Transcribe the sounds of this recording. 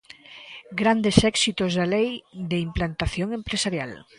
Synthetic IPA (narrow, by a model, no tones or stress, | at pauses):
ɡɾand̪esɛksit̪ozðalejd̪eimplant̪aθjoŋempɾesaɾjal